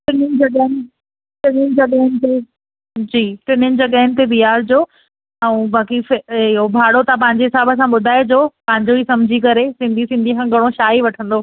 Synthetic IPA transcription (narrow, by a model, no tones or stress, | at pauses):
ʈɪnʊnɪ̆d͡ʑɐɡanɪ | ʈɪnʊnɪ̆d͡ʑɐɠaːɪnɪ̆t̪e | d͡ʑiːʈɪnʊnɪ̆d͡ʑɐɠaɦɪnɪ̆t̪̬eʋiaːɾd͡ʑoː | ɛ̃ːbaːkifɪɦobʱaːɽot̪ap̬ɐ̃ɦɪ̃ɲd͡ʑeɦɪsaːbəs̬ãɓʊd̪ʱaːed͡ʑoːpɐ̃ɦɪ̃ɲd͡ʑoisɐmd͡ʑʱikɐɾesɪ̃nd̪ʱisɪ̃nd̪ʱikãɡʱɐɽ̃oʃaːiʋɐʈʰə̃nd̪oː